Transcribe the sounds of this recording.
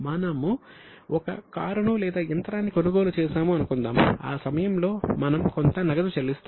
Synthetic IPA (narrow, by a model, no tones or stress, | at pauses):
mɐnɐmu | ɔkɐ̰kaːɾɐɳulɛːd̪aːɐnt̪ɐɾaːnːiko̞nuɡo̞ːlut͡ʃɛːʃaːmuɐnukund̪a̰ːma̰ːsɐmɐjɐmlo̞ːmɐnɐmkont̪ɐnɐɡɐd̪ɐt͡ʃɐlist̪ː